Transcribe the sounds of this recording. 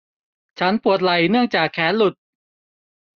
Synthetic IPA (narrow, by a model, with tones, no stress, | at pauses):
t͡ɕʰa˦˥npu˨˩ət̪̚la˨˩jnɯ˥˩əŋt͡ɕaː˨˩kʰːɛː˩˦˥nlu˨˩t̪̚